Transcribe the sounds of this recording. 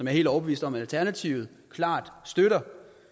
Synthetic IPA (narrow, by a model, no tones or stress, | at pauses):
ɒmjɑ̈ɐe̝̰ldɒʊb̥e̝ḭːsd̥ɒ̽mælt͡sʰæɐnæt͡sʰiʊð̩ˠ | kʰlɑ̈ːd̥sd̥øɾɐ